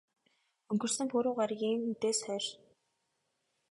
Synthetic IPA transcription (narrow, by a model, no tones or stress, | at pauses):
ɵŋɡɵ̆r̥sɘ̆mpuɾʊːɢaɾɡʲiŋut̪eːsχœːr